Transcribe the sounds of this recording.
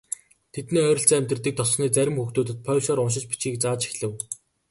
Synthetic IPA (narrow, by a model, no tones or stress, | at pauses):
t̪ʰet̪niːœːɾʲɪ̆ɬt͡sæːæmʲt̪rə̆t̪iːk̚t̪ʰɔsniːt͡sæɾʲɪ̆mxuxt̪uːt̪ɘ̆t̪̚pʰœːwsɔːɾʊnʃ̬ɪ̆t͡ɕpi̥t͡ɕɡiːk̚t͡saːt͡ɕi̥xɮɘ̆w